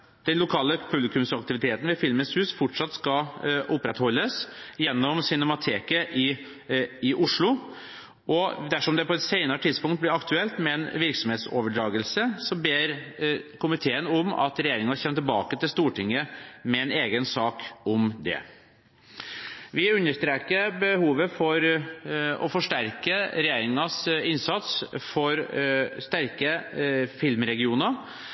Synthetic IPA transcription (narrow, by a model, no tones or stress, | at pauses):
d̪̥ɛnlʊkʰɑːləpʰʉblɪkʉmsɑk̚t̪ɪʋɪt̪ʰeːt̪n̩ʋɛfɪlmənshʉːsfɔʈʂɑt̪ːskɑʔʊpːɾɛt̪hɔlːəsjɛnːɔmsʏnɛmɑt̪ʰeːkəʔɪ | ɪʔʊʂɭʊ | ʔɔd̪æʂɔmd̪ɛpɔɛt̪seɪnɑɾəʈ̪ʰɪd̪spʊŋkt̪̚blɪɾɑkt̪ʉɛlt̪mɛnʋɪɾksɔmheːt̪so̰ːʋəɖɾɑːɡəlsəsɔbeːɾkʰʊmɪt̪ʰeːənʊmɑ̰t̪ɾɛjeːɾɪŋɑçɛnːət̪ɪlbɑːkət̪ɪlst̪uːʈɪŋːəmɛɛneːɡənsɑːkʊmd̪ɛ̰ | ʋɪʉnːəʂt̪ɾeːkəɾbəhuːʋəfɔɾ | ɔ̰fɔʂʈæɾkəɾɛjeːɾɪŋɑsɪnsɑt̪sfɔɾst̪æɾkəfɪlmɾɛɡɪuːnəɾ